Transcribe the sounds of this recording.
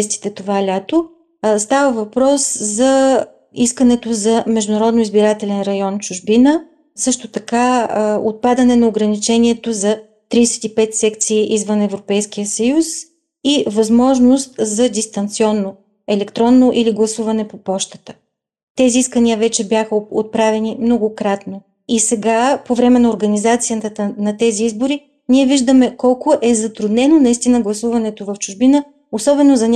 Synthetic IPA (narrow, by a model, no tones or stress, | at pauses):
ɛst̪i̥t̪ɛt̪ovalʲat̪o | st̪avəvɐpɾɔszɐ | iskənɛt̪ozɐmɛʒd̪ʊnɐɾɔd̪nʊizbiɾat̪ɛlɛnɾɐjɔnt͡ʃʊʒbinə | sɤʃt̪ot̪ɐkao̰t̪̚pad̪ənɛnɐoɡɾɐnit͡ʃɛnʲiɛt̪ozɐ | t̪ɾisɛ̥t̪ipɛt̪sɛkt̪siːʔizvənɛvɾopɛjsk̟iəsɐjus | ivɐzmɔʒnost̪zɐd̪ist̪ɐnt̪siɔnːo | ɛlɛkt̪ɾɔnːoʔiliɡlˠɐsuvɐnɛpopɔʃt̪ə̥t̪ə̥ | t̪ɛziiskəniəvɛt͡ʃɛbjaxəot̪̚pɾavɛnimnoɡʊkɾat̪no | isɛɡapovɾɛmɛnɐoɾɡɐnizat̪sijət̪ət̪ənɐt̪ɛziizboɾi | niɛviʒd̪əmɛkɔlˠkʊʔɛzɐt̪ɾud̪nɛnonɐist̪inəɡlˠɐsuvɐnɛt̪ovɐft͡ʃʊʒbinə | osɔbɛnozɐnʲ